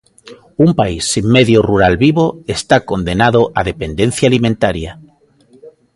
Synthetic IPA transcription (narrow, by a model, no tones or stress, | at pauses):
umpaisːimmeðjoruɾalβiβoest̪akond̪enaðoʔaðepend̪ẽn̟θjaːlimẽnt̪aɾja